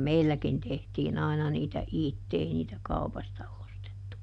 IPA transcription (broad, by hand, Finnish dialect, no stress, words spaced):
meilːækin tehtiːn ɑinɑ niːtæ itːe ei niːtæ kɑupɑstɑ ostetːu